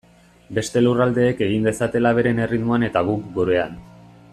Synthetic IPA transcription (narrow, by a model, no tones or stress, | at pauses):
be̞st̪e̞lurald̪e̞ːke̞ɣ̞ind̪e̞sat̪e̞laβ̞e̞ɾe̞ne̞rid̪muane̞t̪aɣ̞ukɡuɾe̞an